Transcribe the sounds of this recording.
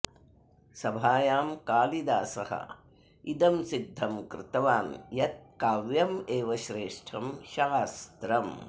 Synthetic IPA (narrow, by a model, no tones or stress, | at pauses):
sɐbʱaːjaːmkaːlid̪aːsɐ̰hɐ̰ | id̪ɐmsid̪ʱːɐmkɾɪt̪ɐʋaːnjɐt̪̚kaːʋjɐmeːʋɐʃɾeːʂʈʰɐmʃast̪ɾɐm